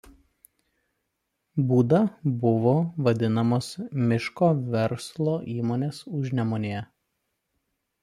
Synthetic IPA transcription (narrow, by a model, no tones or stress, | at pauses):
buːd̪ɐbʊʋoːʋɐd̪ʲɪnɐmoːsmʲɪʃkoːʋʲɛɾslˠoːʔiːmoːnʲeːsʊʒʲnʲɛmoːnʲeːjɛ